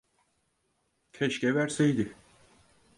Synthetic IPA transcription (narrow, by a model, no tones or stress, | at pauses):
cʰɛʃcɛvæɾsejd̪ɪ